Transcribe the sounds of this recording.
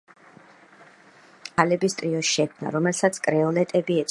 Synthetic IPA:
alɛbist̪ʼɾiɔʃʃɛkʰmna̰ɾɔmɛlsat̪sʰkʼɾɛɔlɛt̪ʼɛbiɛt̪s

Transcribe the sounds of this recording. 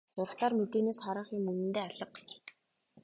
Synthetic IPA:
tʊrχt̪aːrmet̪eːneːsχaɾə̆χjɪmːɵnɘ̆nt̪eːaɮə̆q

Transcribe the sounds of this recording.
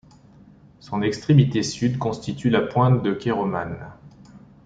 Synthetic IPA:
sɔ̃nɛkst̪χemit̪esyd̪kɔ̃st̪it̪ylapwɛ̃t̪̚d̪əkʲeʁɔman

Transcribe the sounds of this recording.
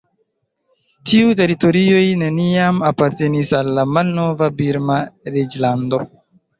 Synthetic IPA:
tʰiute̞ɾito̞ɾio̞jne̞niamapaɾte̞nisalːamalno̞vabiɾmaɾed͡ʒlando̞

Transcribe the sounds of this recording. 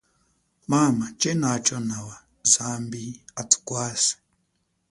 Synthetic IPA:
mamat͡ʃɛnat͡ʃɔnawa | zambiatʰu̥kwasi̥

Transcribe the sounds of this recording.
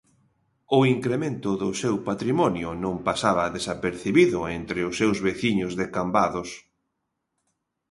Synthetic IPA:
ʊiŋkɾemẽnt̪ʊðʊsewpat̪ɾimɔnjʊnõmpasaβɐðesapeɾθiβiðʊent̪ɾɪʊsːewzβeθiɲʊzðekambaðʊs

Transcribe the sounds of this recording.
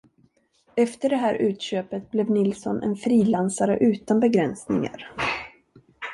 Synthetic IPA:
ɛft̪əɖɛɦæːɾʔʉ̟ːt̪ɕøːpət̪̚blɛvnɪlsɔnɛ̰nfɾiːlansaɾə̰ʔʉ̟ːt̪anbɛɡɾɛnsnɪ̰ŋa̰ɾ

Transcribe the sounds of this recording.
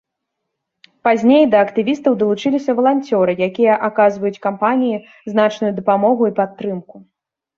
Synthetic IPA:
pazʲnʲejd̪ɐːkt̪ɨvʲist̪ɐwd̪ɐlˠut͡ʂɨlʲisʲɐvɐlˠanʲt͡sʲɔɾɨjakʲijɐʔakazvɐjut͡sʲkampanʲiji | zn̪at͡ʂnujud̪ɐpamɔɣuipat̪ːɾɨmku

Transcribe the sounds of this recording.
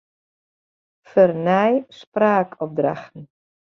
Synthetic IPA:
fərnɛjspraːkʰɔp̚dra̰xtn̩

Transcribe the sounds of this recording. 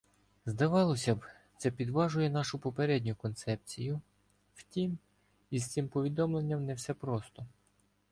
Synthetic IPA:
zd̪ɐʋɑlˠɔsʲɐb | t̪sɛpʲid̪ʋɑʒʊjɛnɑʃʊpɔpeɾɛdʲnʲʊkɔnt̪sɛp̚t͡sʲijʊ | wtʲim | izt̪simpɔʋʲid̪ɔmlˠe̞nʲːɐmnɛwsɛpɾɔst̪ɔ

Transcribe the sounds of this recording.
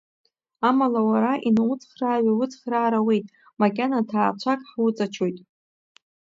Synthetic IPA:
amalawaɾaʔinawʊt͡sʰʼχraːɥʷawʊt͡sʼχraːɾawejtʼ | makʲʼanatʰaːt͡ʃʷʰakʼħwʊt͡sʼat͡ʃʰo̞jtʼ

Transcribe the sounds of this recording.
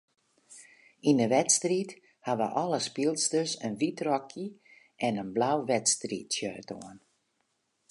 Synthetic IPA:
indəʋɛtstrit | haʋə̰ʔɔləspilˠstəsənʋitrɔkʰjə | ʔɛnənblawʋɛtstritsjœːto̰ən

